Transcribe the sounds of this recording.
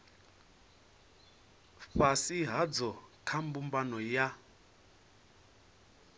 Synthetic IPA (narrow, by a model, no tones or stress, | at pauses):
ɸasiɦad͡zɔkʰambumbanɔja